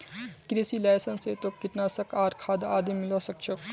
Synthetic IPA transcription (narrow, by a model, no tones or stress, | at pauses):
kɾisiːlajsɐnseːt̪okːiʈnasɐkaːɾkʰaːd̪aːd̪imilosɐk̚t͡ʃʰok